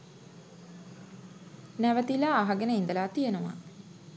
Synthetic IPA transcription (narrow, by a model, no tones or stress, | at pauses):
næʋət̪ilaːɦaɡenəind̪əlaːt̪ijenuʋa̰